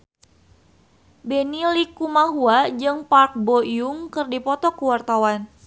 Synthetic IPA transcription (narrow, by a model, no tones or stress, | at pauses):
benilikumahuad͡ʒɨŋpark̚bojuŋkɨrdipɔt̪ɔkuwart̪awan